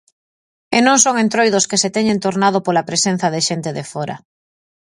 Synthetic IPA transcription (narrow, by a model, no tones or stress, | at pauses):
enõŋsoŋent̪ɾojðoskeset̪eɲẽnt̪oɾnað̞opolapɾesen̟θaðeʃent̪eðefoɾa̰